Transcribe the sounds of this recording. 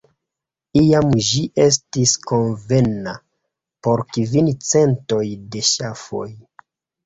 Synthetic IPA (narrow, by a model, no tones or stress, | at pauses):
ijamʒiʔe̞s̬tisko̞nve̞na | po̞ɾkivint͡se̞nto̞jde̞ʃafo̞̰j